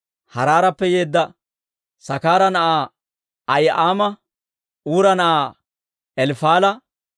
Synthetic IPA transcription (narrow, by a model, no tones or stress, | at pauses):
hɐɾaːɾɐpːɛje̞ːd̪ːɐ | sɐkaːɾɐnɐʔaː | ɐjʔaːmɐ | ʔuːɾɐnɐʔaː | ɛlfaːlɐ